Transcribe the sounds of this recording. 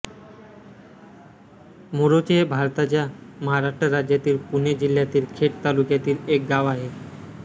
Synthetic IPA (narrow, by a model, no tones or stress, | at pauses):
moɾot͡ɕebʱaɾt̪at͡ɕjaməɦaɾaʂʈɾəɾad͡ʑjat̪iːlpuned͡ʑil̤ːjat̪iːlkʰeʈ̚t̪alukjat̪iːlek̚ɡaʋaɦe